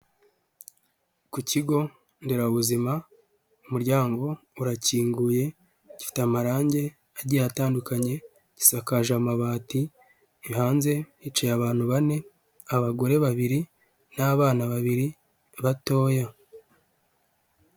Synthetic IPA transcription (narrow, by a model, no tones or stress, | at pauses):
kuciɡo̞ | ndiɾaβuzima | umuɾɟaːŋɡo̞ | uɾaciːŋɡuje̞ | ɟ̥i̥fi̥teamaɾaːɲɟe̞ | aɟijataːndukaɲe̞ | ɟ̥i̥sakaʒamaβaːti | haːnze̞it͡ʃejaβaːn̥huβane̞ | aβaɡo̞ɾe̞βaβiɾi | naβaːnaβaβiɾi | βato̞ːja